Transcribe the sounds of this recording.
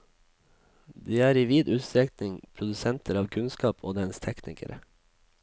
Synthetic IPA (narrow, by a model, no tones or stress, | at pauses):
d̪iːæːɾiːʋiːd̪ʉːt̪st̪ɾɛktnɪŋpʰɾʊd̪ʉsɛnt̪ʰəɾɑːʋkʰʉnskɑːpʰo̰ːd̪ɛnst̪ʰɛknɪ̰kʰə̰ɾʔə